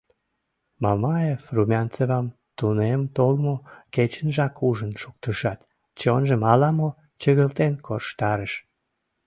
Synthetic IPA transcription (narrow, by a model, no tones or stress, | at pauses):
mɑmɑefrumʲɑnt͡seβɑm | t̪unemt̪olmoket͡ɕənʒɑkuʒənʃuk̚t̪əʃɑt̪ | t͡ɕonʒəmɑlɑmo | t͡ɕəɣəlt̪enkʰorʃt̪ɑɾəʃ